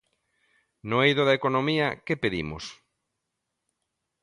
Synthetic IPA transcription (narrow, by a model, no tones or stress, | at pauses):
noejðʊðɐekonomiɐkepeðḭmʊ̰s